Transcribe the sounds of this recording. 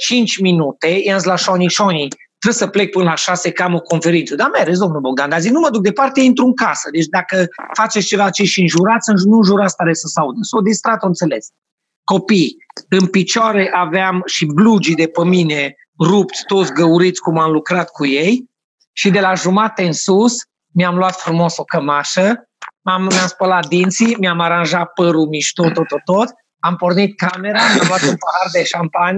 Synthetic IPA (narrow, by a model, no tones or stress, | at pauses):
t͡ʃint͡ʃʲminut̪e̞janslaʃoniʃonʲi | t̪ɾe̥səplek̚pɨnəlaʃasekamoko̞nfe̞ɾinsəd̪ameɾes̬ʲd̪o̞mnuboɡ̚d̪and̪aziknuməd̪uk̚d̪e̞part̪eint̪ɾuɨŋkasəd̪e̞t͡ʃd̪akəfat͡ʃet̪st͡ʃe̞vat͡ʃeʃiɨnʒuɾat̪sʲɨnnunʒuɾat̪sʲt̪aɾesəsaud̪əsod̪ist̪ɾat̪oɨnt̪se̞le̞s | ko̞pijɨnpit͡ʃoaɾeʔaveamʃiblud͡ʒid̪e̞pəmine | rupt̪sʲt̪o̞t̪sʲɡəuɾit̪sʲkumamlukɾat̪kujej | ʃid̪e̞laʒumat̪eɨnsus | mʲjamluat̪fɾumosokəmaʃə | ammamspəlat̪̚d̪int̪simiamaɾanʒat̪̚pəɾumiʃt̪ot̪ot̪ot̪ot̪ | ampornit̪̚kame̞ɾamʲjamluat̪unpahard̪eʃampan